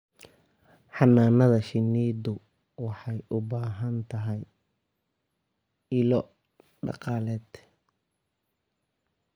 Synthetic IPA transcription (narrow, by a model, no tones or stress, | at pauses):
ħɑnaːnɐðɐʃɪnːiːd̪ʊ | wɑħɑjʔʊbaːɦɐnt̪ʰɐɦɛj | ɪlɔ | ɖɑ̰qɑːlɛːd̪